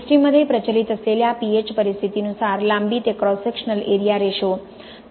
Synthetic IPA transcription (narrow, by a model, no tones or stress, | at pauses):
sʈɾiməd̪ʱepɾət͡ʃəlit̪əseljapiet͡ʃpəɾist̪ʰit̪inũsaɾlãmbit̪ekɾɔsekʃənəleɾijaɾeʃo